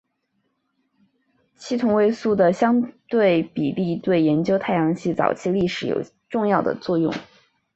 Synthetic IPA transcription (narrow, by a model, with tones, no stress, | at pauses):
t͡ɕʰi˥t̪ʰʊ˧˥ŋwe˥˧ɪsu˥˩d̪ə˩ɕjɑ˥ŋt̪we˥˩ɪpḭ˨˩li˥˧t̪we˥˩ɪjɛ˧˥nt͡ɕjo˥ʊt̪ʰa˥˩ɪjɑ˧˥ŋɕi˥˩t͡sɑ̰˨˩ʊt͡ɕʰi˥˧li˥˩ʂɻ̩˧˥jo̰˨˩ʊ | ʈ͡ʂʊ˥˧ŋjɑ˥˩ʊd̪ə̰˩t͡swɔ˥˧jʊ̰˥˩ŋ